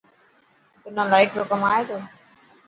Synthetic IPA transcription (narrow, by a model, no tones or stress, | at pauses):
t̪ʊnãːlaːɪʈɾoːkəmaːeːt̪ʰoː